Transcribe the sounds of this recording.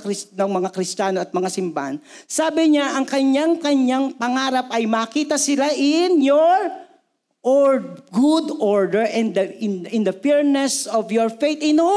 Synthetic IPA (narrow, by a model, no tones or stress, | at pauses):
kɾɪsnɐŋmɐŋakɾɪst͡ʃaːnoɐt̪̚mɐŋasɪmba̰ʔa̰nsaːbɪɲaʔɐŋkɐɲjaŋkɐɲɲaŋpɐŋaːɾɐp̚ʔɐjmɐːkiːt̪ɐsɪlaʔɪnjoɹ | ʔɹɡʊd̪ɔɹd̪ɛɹʔɛnd̪ɪɪnd̪ɐfɛɹnɛsɔvjɔɹfejt̪ɪno